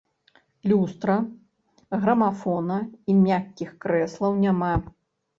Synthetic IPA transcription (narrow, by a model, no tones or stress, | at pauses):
lʲust̪ɾɐ | ɣɾɐmafɔnɐimʲakʲːixkɾɛslˠɐwnʲama